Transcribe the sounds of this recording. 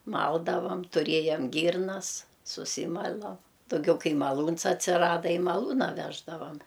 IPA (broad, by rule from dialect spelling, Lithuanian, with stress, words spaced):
ˈmɐlˠdɐʋɐm tʊˈrʲeːjɛm ˈɡʲiːrnɐs sʊˈsʲiːmɐlˠɐ dɐʊˈɡʲɛʊ ˈkɐɪ mɐˈlˠuːns ɐtʲsʲɪˈrɑːdɐ ɪ mɐˈlˠuːnɐ ˈʋʲæːʒdɐʋɐm